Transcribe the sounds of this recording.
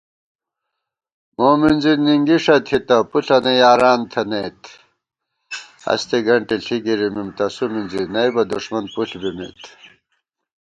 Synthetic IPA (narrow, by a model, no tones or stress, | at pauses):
moːminziniŋɡiʂɐt̪ʰit̪ɐpuɬɐnejaːɾaːnt̪ʰɐneːt̪ʰ | ɐ̰st̪eɡɐɳʈiɬiɡiɾimimt̪ɐsuminzinɐjbɐd̪uʂmɐnpuɬbimḭt̪